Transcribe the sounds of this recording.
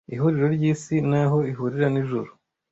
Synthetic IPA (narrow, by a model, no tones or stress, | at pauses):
iɦuɾiɾo̞ɾɟiːsinaɦo̞iɦuɾiɾaniʒuɾu